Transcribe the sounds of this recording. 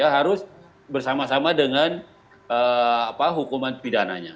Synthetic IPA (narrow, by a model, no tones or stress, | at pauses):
jaɦaɾʊs | bərsamasamadəŋan | əapaɦukumanpidana̰ɲa̰